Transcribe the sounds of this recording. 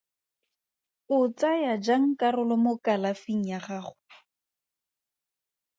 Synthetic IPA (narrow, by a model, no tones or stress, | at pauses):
ʊt͡sajad͡ʒaŋ̩karʊlɔmʊkalafiŋ̩jaχaːχʊ